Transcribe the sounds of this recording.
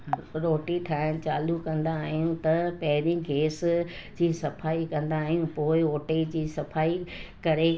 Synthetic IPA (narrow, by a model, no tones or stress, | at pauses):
ɾoːʈiʈʰaːɪɽ̃t͡ɕaːlukɐ̃nd̪aːɦijũt̪ɐpɐɦɪɾĩɡʱeːsɪ̆ | d͡ʑiːsɐfaːikɐ̃nd̪aːɦijũpoːɪoːʈed͡ʑiːsɐfaːikɐɾe